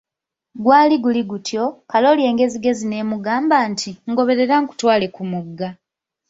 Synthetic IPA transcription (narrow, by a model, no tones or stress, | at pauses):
ɡwaːliɡuliɡutjo̞kalo̞lje̞ːŋɡe̞ziɡe̞zine̞ːmuɡaːmbaːntʰiŋɡo̞βe̞ɾe̞ɾaŋku̥twaːle̞kumuɡːa